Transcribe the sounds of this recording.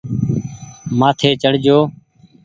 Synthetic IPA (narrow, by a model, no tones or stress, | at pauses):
maːt̪ʰeːt͡ʃəɽ̤d͡ʒoː